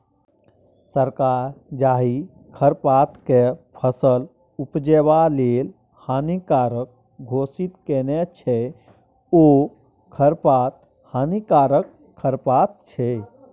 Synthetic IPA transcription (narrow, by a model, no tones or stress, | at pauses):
səɾkaɾd͡ʒaɦi | kʰəɾpat̪kepʰəsəl | upd͡ʒɛbalel | hanikaɾək̚ | ɡʱosit̪kenɛt͡ʃʰɛ | o | kʰəɾpat̪̚ | hanikaɾəkʰː | əɾpat̪̚t͡ʃʰɛ